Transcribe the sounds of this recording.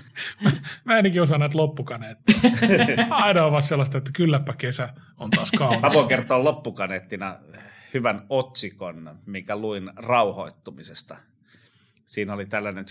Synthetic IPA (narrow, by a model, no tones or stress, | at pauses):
mæmæːenækiosɑnæt̪lopːukɑneːt̪ːi | ɑinɑoʋɑsselːɑst̪ɑet̪ːæ̥kylːæpːækesæ | ont̪ɑskɑuɑpoikert̪oːlopːukɑneːt̪ːinɑ | hyʋænot̪sikonmiŋkæluinrɑuhoit̪ːumisest̪ɑ | siːnolit̪ælːænen